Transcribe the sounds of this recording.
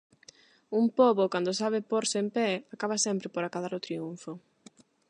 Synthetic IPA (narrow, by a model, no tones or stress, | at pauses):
umpɔβokand̪ʊsaβ̞ɪpoɾsɪempɛakaβasɛmpɾɪpoɾakaðaɾʊt̪ɾiuɱfo